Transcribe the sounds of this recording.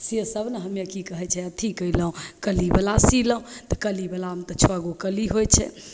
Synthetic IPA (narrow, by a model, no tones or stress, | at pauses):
sesəbʱnəɦəmjekikəɦɛt͡ʃʰɛət̪ʰikəiləɦõkəlibəlasiləɦũt̪ɔkəlibəlamt̪ət͡ʃʰoaɡokəliɦojt͡ʃʰɛ̰